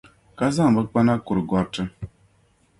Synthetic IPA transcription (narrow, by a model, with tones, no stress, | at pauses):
ka˦za˦˨ŋ˨bə˦k͡pa˦na˦ku˨ɾɡɔ˨˦ɾtɨ˦